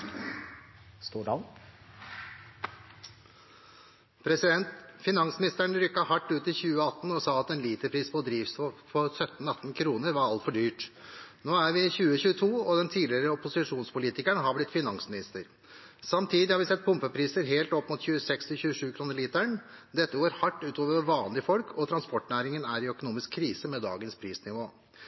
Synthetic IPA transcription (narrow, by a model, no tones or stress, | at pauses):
st̪uːɖɑn | pʰɾɛsɪd̪ɛnt̪fɪnɑŋsmɪnɪst̪æɳɾʏkːɑhɑʈːʉːt̪ɪçʉːəɑt̪n̩ɔsɑːɑt̪ɛnliːt̪əpʰɾiːspʰɔd̪ɾiːʋsɔfʰɔsœt̪n̩ɑt̪ːnkʰɾuːnəɾʋɑɾɑlt̪fɔɖyːʈnoːæɾʋɪçʉːəçʉːət̪ʰuːɔd̪ɛnt̪ʰiːd̪lɪəɾəɔpʊsɪʂuːnspʊliːt̪ɪkæɳɦɑɾblɪt̪ːfɪnɑŋsmɪnɪst̪əɾ | sɑmt̪ʰiːd̪ɪhɑɾʋɪsɛt̪̚ːpʰʊmpəpʰɾiːsəɾɦeːlt̪ɔpːmʊt̪çʉːəsɛkst̪ʰɪlçʉːəʂʉːkʰɾuːnəɾɭiːt̪æɳd̪ɛt̪ːəɡoːɾhɑʈːʉːt̪ʰoːʋəɾɔʋɑːnlɪfɔlkʰɔt̪ʰɾɑnspɔʈːnæːɾɪŋənæɾɪœkʊnuːmɪskʰːɾiːsəmɛd̪ɑ̰ːɡənspʰɾiːsnɪʋoː